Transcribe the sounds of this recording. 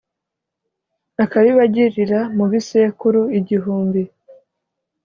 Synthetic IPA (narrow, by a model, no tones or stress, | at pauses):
akaβiβaɟiɾiɾamuβisekuɾuiɟiɦuːmbi